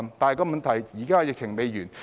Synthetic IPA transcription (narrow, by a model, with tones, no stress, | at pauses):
nt̪aː˨˩jkɔː˧mɐ˨nt̪ʰɐ˨˩jjiː˨˩kaː˥jɪ˨k̚t͡ɕʰɪ˨˩ŋme˨˧jjyː˨˩n